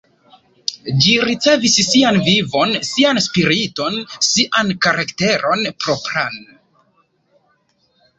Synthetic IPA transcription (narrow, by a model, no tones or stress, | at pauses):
d͡ʒiɾit͡se̞vissianvivo̞nsianspiɾito̞nsiʔankaɾakte̞ɾo̞npɾo̞pɾan